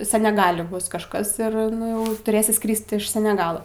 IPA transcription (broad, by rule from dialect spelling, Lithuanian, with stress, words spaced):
sʲɛnʲɛˈɡɑːlʲɪ ˈbʊs kɐʃˈkɐs ɪr ˈnʊ jɛʊ tʊˈrʲeːsʲɪ ˈskrʲiːst ɪʃ sʲɛnʲɛˈɡɑːlˠoː